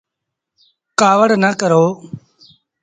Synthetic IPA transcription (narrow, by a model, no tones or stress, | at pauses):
kaːʋəɽnəkəɾoː